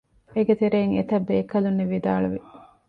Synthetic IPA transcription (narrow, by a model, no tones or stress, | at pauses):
eɡet̪eɾeːŋet̪ɐbːeːkɐlunːeʋid̪aːɭuʋi